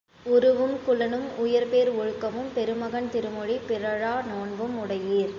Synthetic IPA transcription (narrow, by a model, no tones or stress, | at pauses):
ʊɾɯʋɯmkʊlɐnɯmʊjɐɾpeːɾɔɻɯkːɐmɯmpɛɾɯmɐɣɐɳt̪ɪɾɯmɔɻipɪɾɐɻaːnoːɳbɯmʊɽɐjiːɾ